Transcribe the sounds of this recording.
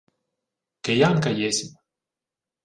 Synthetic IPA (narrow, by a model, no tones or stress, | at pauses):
kejaŋkajesʲim